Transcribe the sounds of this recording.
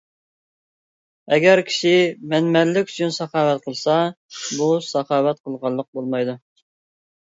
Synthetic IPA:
ɛɡʲɛɾkʲʰi̥ʃɪmɛnmɛlːɪkʲy̥t͡ʃʰynsɑχɑːwɛt̪̚qʰəlˠsɑ | busɑχɑːwɛt̪̚qʰəlˠʁɑlˠːəq̚bolˠmɑjd̪u

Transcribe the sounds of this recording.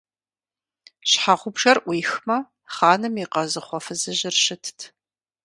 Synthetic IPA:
ɕħaʁʷʊbʒɐrʔʷiːxmɐ | χɑːnɨmiqɐzɨχʷɔfɨzɨʑɪrʃɪtʰtʰ

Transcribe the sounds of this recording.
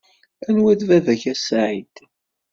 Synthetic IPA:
ænwæd̪vævæçæsaʕid̪̥

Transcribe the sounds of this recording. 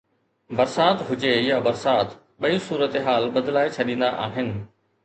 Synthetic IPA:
bɐɾsaːt̪ɦʊd͡ʑejabɐɾsaːt̪ | ɓɐisuːɾət̪eɦaːlɓɐd̪laːet͡ɕʰɐɗĩːnd̪aʔaːɦɪnɪ̆

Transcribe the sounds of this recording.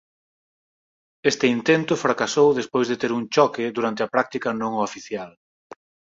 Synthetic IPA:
est̪ɪint̪ent̪ʊfɾakasowðespojzðet̪eɾuŋt͡ʃɔkɪd̪uɾant̪ɪɐpɾak̚t̪ikɐnõŋʊafiθjal

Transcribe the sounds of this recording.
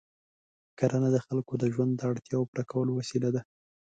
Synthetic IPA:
kaɾanad̪əxalkod̪əʒwand̪ːəaɽt̪jɑwopɾʔakawəlowasilad̪a

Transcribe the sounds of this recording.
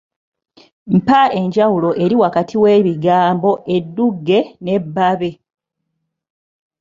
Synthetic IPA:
m̩paʔe̞ɲɟawulo̞ʔe̞ɾiwakatʰiwe̞ːβiɡaːmbo̞ʔe̞dːuɡːe̞ne̞bːaβe̞

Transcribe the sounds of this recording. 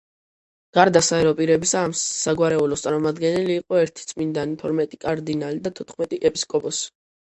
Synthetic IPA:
ɡ̥aɾd̪asaɛɾɔpʼiɾɛbisaːmsaɡwaɾɛulɔst̪sʼaɾmɔmad̪ɡɛnɛliːqʼɔɛɾt̪ʰi̥t̪sʼmind̪anipʰɔɾmɛt̪ʼikʼaɾd̪inalid̪at̪ʰɔt̪χmɛt̪ʼiʔɛpʼiskʼɔpʼɔs

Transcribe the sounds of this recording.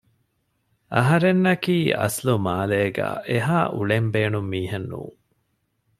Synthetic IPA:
ʔɐɦɐɾenːɐkiːʔɐ̰slumaːleːɡæ̰ːʔeɦaːʔuɭembeːnumːiːɦenːṵː

